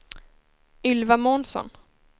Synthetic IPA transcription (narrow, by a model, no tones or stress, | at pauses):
ʏlvamɔːnsɔ̰n